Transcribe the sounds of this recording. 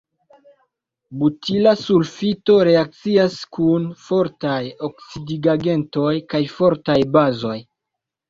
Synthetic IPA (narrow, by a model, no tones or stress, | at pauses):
butʰilasulfito̞ɾe̞ak̚t͡siaskʰunfo̞ɾtajoksidiɡaɡe̞nto̞jkajfo̞ɾtajbazo̞j